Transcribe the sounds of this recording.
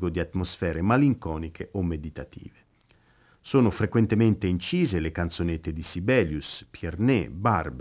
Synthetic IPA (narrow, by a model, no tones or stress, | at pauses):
ɡod̪iat̪ːmosfɛːɾemaliŋkɔːnikʰeʔomːed̪it̪at̪ʰḭːve | soːnofɾekwent̪ement̪eint͡ʃiːzelekant̪sonet̪ːed̪isibɛːljuspjernḛbarb